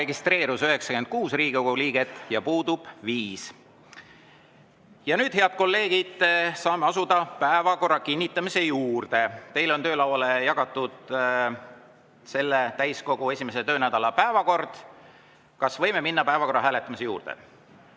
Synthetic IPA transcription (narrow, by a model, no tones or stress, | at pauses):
e̞ɡist̪re̞ːɾusøɦe̞ksɑkyend̪̥̚kuːsriːɡioɡuliːɡ̥e̞t̪ːˑjɑpuːd̪ub̥viːs | jɑnyːd̪̥he̞ɑd̪̚ko̞lːe̞ːɡ̥id̪̥sɑːme̞ɑsud̪̥ɑpæevɑko̞rːɑkinʲːit̪ːˑɑmise̞juːrd̪̥e̞t̪e̞jlo̞nt̪ø̞ːlɑwɑlejɑɡ̥ɑt̪ːˑud̪̥ | se̞lːet̪æjsko̞ɡ̥uesʲime̞set̪øːnæd̪̥ɑlɑpæevɑko̞rd̪̥ | kɑsvɤjme̞minːɑpæevɑko̞rːɑɦæːle̞t̪ːˑɑmise̞juːrd̪̥ḛ